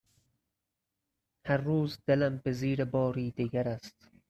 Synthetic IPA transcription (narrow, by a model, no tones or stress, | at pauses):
hæɾːuːzd̪̥elæmbeziːɾebɒːɾiːd̪iɡæɾæst̪